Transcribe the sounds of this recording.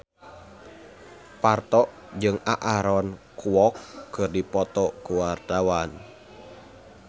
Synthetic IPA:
part̪ɔʔ | d͡ʒɨŋaʔaɾɔnkʰuwɔkːɨrdipɔt̪ɔkuwart̪awan

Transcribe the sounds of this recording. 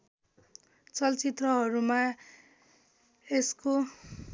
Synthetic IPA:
t͡sʌlt͡sit̪rʌɦʌɾuma | esko

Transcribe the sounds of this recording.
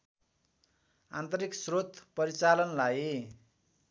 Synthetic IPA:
ant̪ʌɾiksrot̪pʌɾit͡salʌnlaj

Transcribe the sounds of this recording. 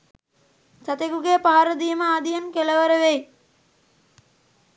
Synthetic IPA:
sat̪eɡuɡeːpaɦaɾəd̪ijməaːd̪ijənkeləʋəɾəʋej

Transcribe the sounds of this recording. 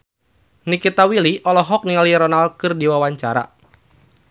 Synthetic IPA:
nikit̪awiliʔɔlɔɦɔk̚niŋaliɾɔnalkɨrdiwawaɲt͡ʃaɾa̰

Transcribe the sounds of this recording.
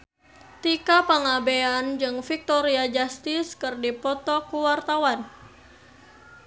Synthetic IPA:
t̪ikapaŋabeand͡ʒɨŋfik̚t̪ɔɾiad͡ʒast̪ɪskɨrdipɔt̪ɔkuwart̪awan

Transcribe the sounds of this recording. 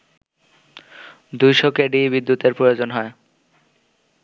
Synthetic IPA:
d̪ujʃokeɖibid̪ːut̪eɾpɾojod͡ʑonɦɔe

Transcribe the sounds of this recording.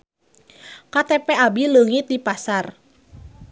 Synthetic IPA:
kat̪ɛpeabiləŋɪt̪̚dipasar

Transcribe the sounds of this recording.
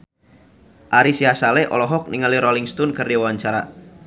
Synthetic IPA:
ʔaɾisiɦasalɛʔɔ̰lɔɦɔk̚niŋaliɾɔliŋst̪ɔnkɨrdiawaɲt͡ʃaɾa

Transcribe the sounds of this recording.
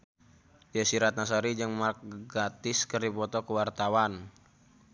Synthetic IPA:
jəsiɾat̪̚nas̬aɾid͡ʒɨŋmark̚ɡat̪ɪskərdipɔt̪ɔkəwart̪awan

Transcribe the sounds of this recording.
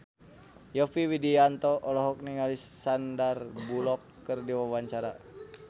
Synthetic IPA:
jɔfiwidiant̪ɔʔːlɔɦɔk̚niŋalisːandarbulɔkːərdiwawaɲt͡ʃaɾa̰

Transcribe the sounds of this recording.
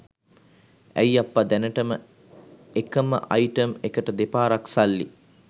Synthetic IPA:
æ̰japːad̪ænəʈəmə | ekəmə̰ʔajʈəmekəʈəd̪epaːɾaksalːḭ

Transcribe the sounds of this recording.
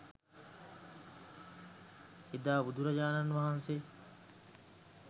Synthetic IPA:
id̪aːbud̪uɾɐd͡ʒaːnɐnːʋɐɦɐnse

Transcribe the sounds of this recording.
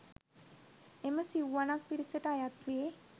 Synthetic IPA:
eməsiwanak̚piɾisəʈajat̪ue

